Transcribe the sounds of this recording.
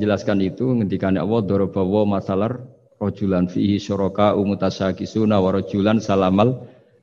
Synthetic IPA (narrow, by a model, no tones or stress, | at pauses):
d͡ʒəlaskanit̪uŋənd̪ikaneʔa̰wɔd̪ɔɾɔb̥a̤wɔmasalar | rɔd̥ʒ̥ulanfiɦiʃɔɾɔkaʔumut̪asakisunawaɾɔd̥ʒ̥ṳlansalamal